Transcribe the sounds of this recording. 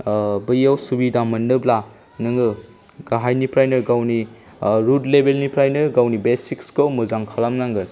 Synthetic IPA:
bɯjawsubidamɐnːɯbla | nɯŋɯ | ɡaɦajnipɾajnɯɾɡawni | ɾudlebelnipɾajnɯɾɡawnibesikskɯwmuzaŋkʰalamnaŋɡɯɾ

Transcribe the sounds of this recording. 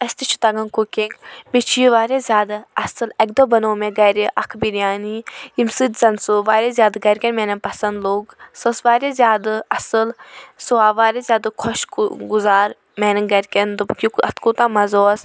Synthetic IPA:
ɐsʲt̪it͡ʃʰu̥t̪ɐɡɐnkukiŋɡbet͡ʃʰiʋaːɾʲezʲjaːd̪aɐsɨlɐk̚d̪oːbɐnoːmẽɡɐɾiʔɐkʰbiɾjaːniimsɨt̪zɐnsuʋaːɾʲezʲjaːd̪ɡɐɾʲkʲɐnmɛnɐnpɐsɐnd̪loːɡsɐsʋaːɾezʲjaːd̪ɐsɨlsuaːʋaːɾʲezʲjaːd̪ɐkʰɔʃɡuzaːɾ | mɛːnɐnɡɐɾʲkʲɐnd̪ɨkikɐt̪kut̪aːmɐzɔːs

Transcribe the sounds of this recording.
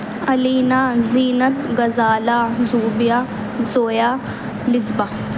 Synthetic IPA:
ɐliːnaːziːnɐt̪ɡɐzaːlaːzuːbijaː | zoːjaː | lɪzba

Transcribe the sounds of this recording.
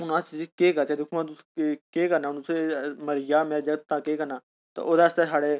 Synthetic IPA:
ʊnãt͡ʃid͡ʒkeːkət͡ʃɛːd̪ʊkʰmãt̪ʊskeːkəɾnaːʊnsməɾɪjaːmeːɾed͡ʒəɡət̪ːãːkeːkəɾnaː | t̪a̰ʔoːd̪aːəst̪esaːɽeː

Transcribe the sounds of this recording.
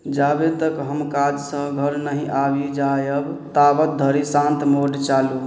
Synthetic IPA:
d͡ʒabet̪əkɦəmkad͡ʒsə̃ɡʱəɾnəɦĩʔabid͡ʒajəb | t̪abət̪̚d̪ʱəɾisãnt̪moɖt͡ʃalu

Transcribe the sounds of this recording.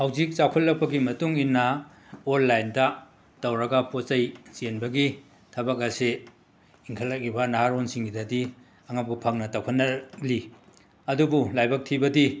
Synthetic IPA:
hawzik̚t͡ʃakʰɐt̚lːɐk̚pɐɡimɐtuŋinːɐ | olːajndɐ | tɐwɾɐɡɐpot͡ʃɐjsenbɐɡi | tʰɐbɐk̬ɐse | iŋkʰɐlːɐk̚ibɐnaɦaɾonsiŋɡidɐdi | ɐŋɐp̚ɡupʰɐŋnɐtawkʰɐtnːɐli | ɐdubulajbɐk̚tʰibɐdi

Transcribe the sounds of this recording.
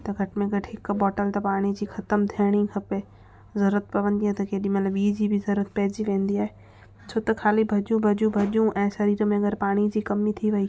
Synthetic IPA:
t̪ɐɡʱɐʈʰmẽɡʱɐʈʰɦɪkbɔːʈəlt̪ɐpaːɽ̃id͡ʑiːxʰɐt̪əmt̪ʰiɽ̃ikʰɐpe | zɐɾət̪̚pɐʋə̃nd̪iaːt̪ɐkeːɗĩmɐt̪ləbiːd͡ʑibʱɪzɐɾət̪̚pɛːd͡ʑiʋẽːn̆d̪iaːɦeː | t͡ɕʰoːt̪ɐkʰaːlibʱɐʄũbʱɐʄũbʱɐʄjũʔɛ̃ːʃɐɾiːɾmẽɐɡəɾpaːɽ̃id͡ʑiːkɐmit̪ʰiʋɐiː

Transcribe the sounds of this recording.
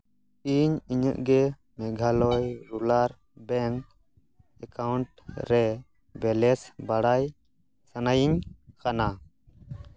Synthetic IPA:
iɲiɲə̰ʔɡɛ | mɛɡʱalɔjɾulaɾ | bɛŋk | ɛkawɳʈɾɛ | bɛlɛsbaɽaj | sanajiɲkana

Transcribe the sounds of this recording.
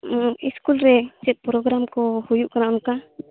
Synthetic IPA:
iskulɾɛt͡ʃɛt̪̚pɾoɡɾamkɔhujuʔkaɾaʔɔnka

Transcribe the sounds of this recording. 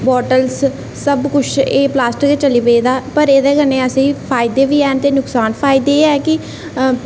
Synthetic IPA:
bɔːʈəls | səbkʊt͡ʃʰeːplaːsʈəket͡ʃəliːpeiːd̪aːpəɾeːd̪eːkənẽːəsĩːpʰaːɪd̪eːʋiːɛːnt̪eːnʊksaːnpʰaːɪd̪eːɛːkɪ

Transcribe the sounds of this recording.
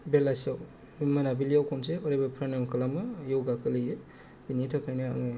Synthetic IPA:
belasaw | manabilijawkʰɔmseɔɾebapʰɾanamkʰɯlamɯjɔwɡakʰɯlɯje | binitʰakʰajnaa̰ŋɯ

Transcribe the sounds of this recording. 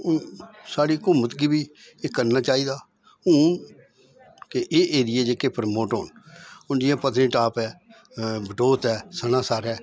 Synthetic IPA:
ʊnsaːɽiːkʊmət̪ɡiːbiː | ekəɾnaːt͡ʃaːiːd̪aː | ɦʊːn | keʔeːʔeːd̪ɪjeːd͡ʒekeːpʰɾmoːʈɦo̰ːnʊnd͡ʒɪjãːpət̪nẽːʈaːpɛː | bəʈoːt̪ɛːsənãːsaːɾɛː

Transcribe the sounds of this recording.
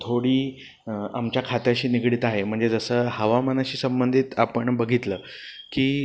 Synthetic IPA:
t̪ʰoɽiː | amt͡ɕjakʰat̪jaɕiːniɡɽiːt̪aɦem̤əɳd͡zed͡zəsəːhəʋamanaɕiːsəmbənd̪ʱiːt̪apəɳbəɡʱit̪ləː | kiː

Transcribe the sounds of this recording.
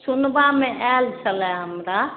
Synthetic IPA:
sunbamẽʔɛlt͡ʃʰəlɛɦəmɾa

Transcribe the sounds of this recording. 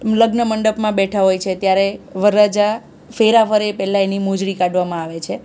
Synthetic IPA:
ləɡnəməɳɖəpmãbɛʈʰaɦojt͡ʃʰet̪jaɾeʋəɾad͡ʒa | feɾafəɾepɛlãenimod͡ʒɭikaɖʋamãaʋet͡ʃʰe

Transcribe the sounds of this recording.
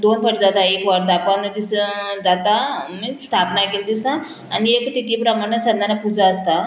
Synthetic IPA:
d̪onpʰəɽd͡zat̪aekʋəɾd̪apənəd̪isd͡zat̪amist̪ʰapnakild̪isa | aniekt̪it̪ipɾəmaɽ̃esənd̪anapud͡zaːst̪a

